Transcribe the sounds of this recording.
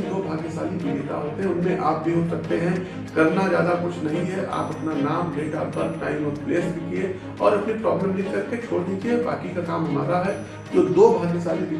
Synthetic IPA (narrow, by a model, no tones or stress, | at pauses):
d̪oːbʱaːɡnesa̰ːlibɪleːk̪a̰ɦoːt̪eɦɛ̃ʊnmẽʔaːp̚bʱiɦot̪sɐk̚t̪eɦɛ̃ | kɐɾnazjaːd̪akʊt͡ʃʰnɐɦĩɦɛʔa̰ːpɐpnanaːmleːʈa̰ːpɐɾʈa̰ːɪmoːɾpleːsbʱikie | ɔ̰ːɾɐpnipɾɔ̰ːbləmlikɐɾket͡ʃʰoːɽd̪iːt͡ʃeɦɛba̰ːkikakaːmɦɐma̰ːɾaɦɛ | d͡ʒoːd̪oːbʱaːɡnesaːlibɪ